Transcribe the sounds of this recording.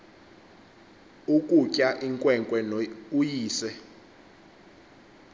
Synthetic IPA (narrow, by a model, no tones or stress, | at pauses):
ukʼucʼaʔiŋkʼwɛŋkʼwɛnujiːsɛ